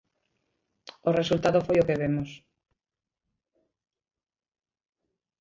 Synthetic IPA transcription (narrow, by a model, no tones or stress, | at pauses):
oresult̪aðofojokeβemos